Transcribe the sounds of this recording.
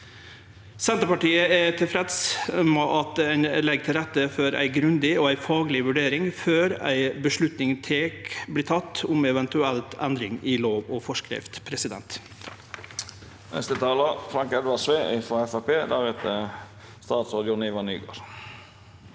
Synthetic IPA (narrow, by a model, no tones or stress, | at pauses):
sɛnt̪əpɑʈiːəɛt̪ʰɪlfɾɛt̪smɔʔɑt̪ɛɪnlɛɡ̚t̪ʰɪlɾɛt̪ːəfɔɾʔæ̰ɪɡɾʉnd̪ɪɔæɪfɑːɡlɪʋʉɖeːɾɪŋføːɾæ̰ɪbəʂlʉt̪nɪŋt̪ʰeːkblɪːt̪ʰɑt̪ːʊmɛʋɛnt̪ʉɛlt̪ʰɛnd̪ɾɪŋɪloːʋɔfɔʂkɾɪ̰ft̪pʰɾɛsɪd̪ɛ̰nt̪ | ɛ̰st̪ət̪ʰɑːləfɾɑŋkɛd̪ʋɑsʋeːʔɪfɾɔɛfæpeːd̪æːhɛt̪ə | st̪ɑːt̪sɾɑːd̪jʊnɪʋɑny̰ːɡo̰ːɾ